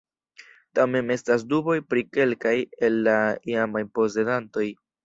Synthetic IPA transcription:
tame̞ne̞stas̬dubo̞jpɾike̞lkaje̞lːaiamajpo̞ze̞danto̞j

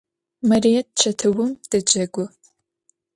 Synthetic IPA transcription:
mɐrijɛt̚t͡ʃʰɐtʰɨwʊmd̥ɐd͡ʒɐɡʷʊ

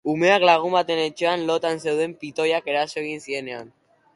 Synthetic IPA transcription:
ume̞aklaɣ̞umbat̪e̞ne̞t͡ʃe̞anlo̞t̪anse̞wðe̞mpit̪o̞jake̞ɾaso̞e̞ɣ̞insie̞ne̞a̰n

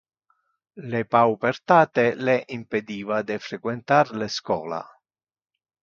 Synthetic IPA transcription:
lepawpert̪aːt̪eleʔimped̪iːvad̪efɾekwent̪arleskɔ̰ːla̰

